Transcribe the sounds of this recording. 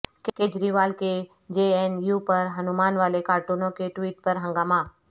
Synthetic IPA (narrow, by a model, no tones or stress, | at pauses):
kkeːd͡ʒɾiʋaːlke | d͡ʒeːɛnjupɐɾɦɐnumaːnʋaːlekaːɾʈuːnõkeʈʋiːʈ̚pɐɾɦə̃ŋɡaːmaː